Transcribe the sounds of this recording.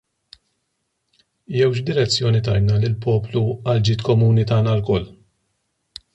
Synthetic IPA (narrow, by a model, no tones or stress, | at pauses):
jɛwʃd̪ɪɾɛt͡sːjɔːnit̪ɐjnɐlɪlpɔːpluɐld͡ʒiːt̪kɔmuːnit̪ɐːnɐlkɔlː